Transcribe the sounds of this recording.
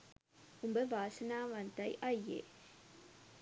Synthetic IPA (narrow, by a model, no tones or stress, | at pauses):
ʊmbɐʋaːsɐnaːʋɐnt̪ɐɪʔɐjḛː